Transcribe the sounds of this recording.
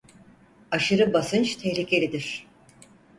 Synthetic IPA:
aʃɯɾɯbasɯnt͡ʃt̪ʰehlʲicʰelʲid̪iɾ̥

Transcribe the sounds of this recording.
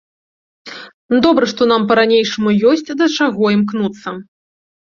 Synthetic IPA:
d̪ɔbɾɐʂt̪ɔn̪ampɐɾanʲejʂɐmujɔsʲt͡sʲd̪ɐt͡ʂaɣɔimknut̪sːɐ

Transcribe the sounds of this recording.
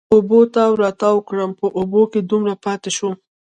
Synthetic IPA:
obot̪awɾɑt̪awəkɽəmpəʔoboked̪umɾapɑt̪eʃu

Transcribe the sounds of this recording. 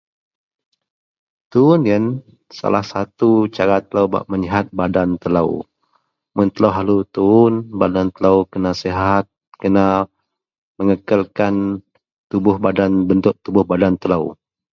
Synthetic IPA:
t̪uʊniən | sa̰lahsat̪ut͡ʃaɾat̪ələwba̰ʔməɲiɦat̪̚badant̪ələ̰w | mʊnt̪ələwɦalut̪uʊnbadant̪ələwkənaseɦat̪̚kəna | məŋəkəlkan | t̪ubʊhbadanbənt̪ʊʔ̚t̪ubʊhbadant̪ələw

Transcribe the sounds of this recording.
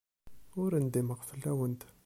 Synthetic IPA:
ʊɾənd̪iməʁfəlːæwənt̪

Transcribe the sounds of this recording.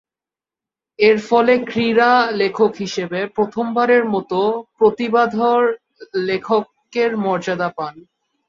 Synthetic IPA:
eɾfɔlekɾiɾalekʰokɦiʃebepɾot̪ʰombaɾeɾmɔt̪opɾot̪ibad̪ʱoɾ | lekʰok | eɾmɔɾd͡ʑad̪apan

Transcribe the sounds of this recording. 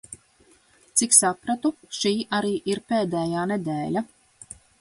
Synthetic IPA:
t̪siksapɾat̪uʃiːʔaɾiːʔiɾpeːd̪ɛːjaːned̪eːlʲa

